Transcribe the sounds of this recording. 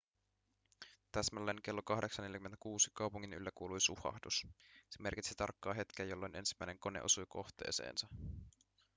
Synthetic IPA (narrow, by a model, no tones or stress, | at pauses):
t̪æsmælːenk̟e̞lːokɑhdeksɑneljkymːenækuːsikɑwpuŋːiny̰lːækuːlujsuhɑ̰hdusseme̞rkit̪sit̪ɑ̰rkːɑːɦe̞t̪kæjo̞lːo̞jnʔe̞nsimːæjneŋko̞ne̞̰o̰sujkʰo̞̰xt̪e̞̰ːse̞̰ːnsɑ